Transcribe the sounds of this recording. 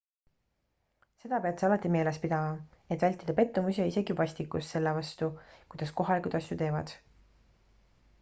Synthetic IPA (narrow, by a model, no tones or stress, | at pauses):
se̞d̪̥ɑpe̞ɑt̪sɑlɑt̪ˑːime̞ːlespid̪̥ɑmɑ | e̞t̪vælʲt̪ːˑid̪ɑpe̞t̪ːumusʲiɑise̞ɡivɑsʲt̪ikːˑusse̞lːevɑst̪ukujd̪̥ɑsko̞ɦɑlikud̪̥ɑsjut̪e̞ːvɑd̪̥